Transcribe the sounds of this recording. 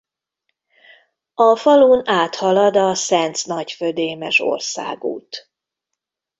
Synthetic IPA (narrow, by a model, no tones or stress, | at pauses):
ɒfɒluːnaːt̪hɒlɒd̪ɒsɛnt̪snɒcfød̪eːmɛʃo̰rsa̰ːɡṵːt̪